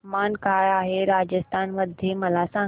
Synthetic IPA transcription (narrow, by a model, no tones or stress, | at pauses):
maːnkajaːɦeɾad͡ʑəst̪ʰanməd̪ʱjeməlasã